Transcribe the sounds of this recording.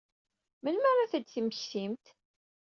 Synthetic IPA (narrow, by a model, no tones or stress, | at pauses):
mənmæɾˤaθəd̪θiməçsimt̪